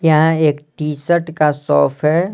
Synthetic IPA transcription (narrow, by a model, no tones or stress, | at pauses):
jɐɦãeːkʈiːsəʈkasɔːpʰɦɛː